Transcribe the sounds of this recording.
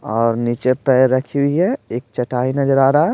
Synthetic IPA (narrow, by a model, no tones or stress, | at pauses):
ɔːɾnit͡ʃepɛɾəkʰiuiɦɛeːk̚t͡ʃəʈaːinəd͡ʒɾaːɾa